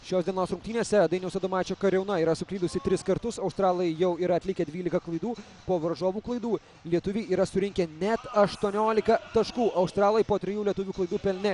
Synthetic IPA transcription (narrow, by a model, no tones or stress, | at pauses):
ʃʲoːsd̪ʲiɛnoːsɾʊŋkt̪ʲiːnʲeːsʲɛd̪ɐɪnʲɛʊsɐd̪oːmɑːt͡ʃʲoːkɐɾʲɛʊnɐiːɾɐsʊkɾʲiːd̪ʊsʲɪt̪ʲɾʲɪskɐɾt̪ʊsɐʊst̪ɾɑːlˠɐɪjɛʊiːɾɐɐt̪ʲlʲɪkʲɛd̪ʲʋʲiːlʲɪkɐklˠɐɪd̪uː | poːʋɐɾʒoːʋuːklˠɐɪd̪uː | lʲiɛt̪ʊʋʲeːiːɾɐsʊɾʲɪŋʲkʲɛnʲɛt̪ɐʃt̪uɔnʲoːlʲɪkɐt̪ɐʃkuːʔɐʊst̪ɾɑːlˠojpoːt̪ʲɾʲɪjuːlʲiɛt̪ʊʋʲuːklˠɐɪd̪uːpʲɛlʲnʲɛ